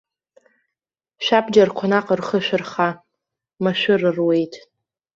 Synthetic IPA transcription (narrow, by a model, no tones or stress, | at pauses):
ʃʷᶣapʰʼd͡ʒarqʷʰanaqʼərχəʃᶣɨrχa | maʃʷᶣʊrɨrwe̞jtʰʼ